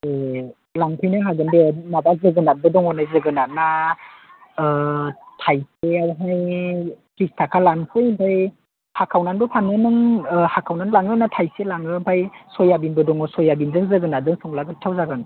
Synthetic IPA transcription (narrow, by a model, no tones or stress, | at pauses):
e | laŋtʰɯjnɯŋɦaɡɯndenabazɯɡɯnat̚bɯdɔŋɔnajzɯɡɯnat̚na | tʰajseawɦajkɾistʰakʰalankʰɯjimpʰaj | hakʰawnanbɯpʰanɯnɯŋhakʰawnanlaŋɯnatʰajselaŋɯmpʰajsɔjabinbɯdɔŋɔsɔjabindɯŋzɯɡɯnadɯŋsɔŋlaɡɯtʰawzaɡɯn